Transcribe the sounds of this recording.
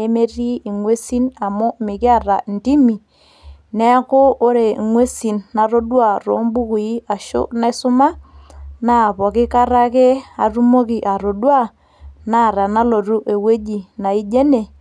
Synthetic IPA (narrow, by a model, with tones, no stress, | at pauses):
e˦me˦ri˦i˨ŋwe˦si˦na˨mʊ˦mɪ˨kɪ˦a˦ra˨n˨ti˦mi˨ | nɛ˦kʊː˦ɾe˨ŋwe˦si˨nːa˨ɾo˦dwa˨ro̰˨˦mbu˦ku˨i˦a˨ʃʊ̰˦na˦sʊ˦ma˦na˦˨pɔ˨kɪ˦ka˦ɾa˦ke˦a˨ru˦mo˦ki˨ʔa˨ɾo˨dwa˦˨ | na˦˨ɾa˨na˦lo˨ɾu˦ʔe˨we˦d͡ʒi˨na˨i˦d͡ʒe˦ne˨